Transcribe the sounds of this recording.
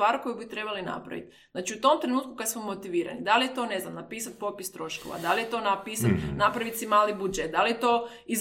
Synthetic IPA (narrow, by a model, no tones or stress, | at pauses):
aːɾko̞jubit̪ɾe̞balina̰pɾa̰ʋḭt̪ | znaːt͡ʃiut̪o̞mt̪ɾenuːt̪̚kukad̪smomːot̪iʋiːɾa̰nid̪alijet̪o̞ne̞znamnapiːsat̪̚po̞pist̪ɾo̞ʃko̞̰ʋa̰d̪alijet̪o̞napiːsat̪napɾaʋit̪simaːlibud͡ʒet̪̚d̪alijet̪o̞ | iz